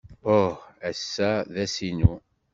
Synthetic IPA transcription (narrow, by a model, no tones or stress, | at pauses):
ohæsːæðæsinu